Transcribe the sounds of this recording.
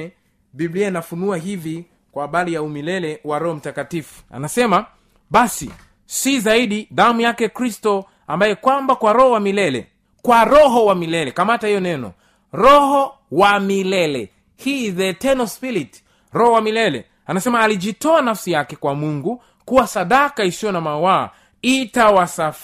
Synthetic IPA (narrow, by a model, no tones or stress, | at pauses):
ɓiblianafunuaɦivi | kwaːɓalijaumilɛlɛwaɾɔhɔm̩takatifu̥a̰nasɛma | ɓasḭ | sizaiɗiðamujakɛkɾistɔ | ambajɛkwambakwaɾɔhɔwamilɛlɛ̰ | kwaɾɔɦɔwamilɛlɛkamatahijɔnɛnɔ̰ | ɾɔhɔ | wamilɛlɛ̰ | hiːðɛtɛnɔspiɾit | ɾɔhɔwamilɛlɛ̰ | anasɛmaːliitɔanafsijakɛkwamuŋɡu | kuwasaɗakaisiɔnamawa̰ː | itawasaf